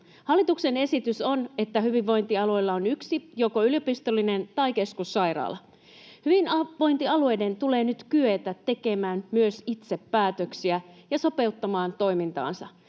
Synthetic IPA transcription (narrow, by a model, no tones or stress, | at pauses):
hɑlːit̪ukse̞ne̞sit̪yso̞ne̞t̪ːæhyʋiʋːo̞jnt̪iɑlue̞jlːɑonyksijo̞koyljopist̪olːinent̪ɑike̞skusːɑjɾɑ̰ːlɑ | hyʋinɑʋo̞jnt̪iɑlue̞jde̞nt̪ule̞ːnyt̪kyet̪æt̪e̞ke̞mæːnmyøsit̪sepːæːt̪øksiæjɑso̞pe̞ut̪ːɑmɑːnt̪o̞jmint̪ɑ̰ːnsɑ